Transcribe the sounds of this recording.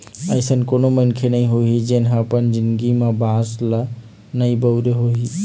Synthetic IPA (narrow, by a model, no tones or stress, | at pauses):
əɪsənkoːnomənkʰenəĩɦoɦid͡ʒɐɦnɦãpənd͡ʒɪ̃nd̪ɡimãbãslə | nɐĩbəwɾeɦoɦi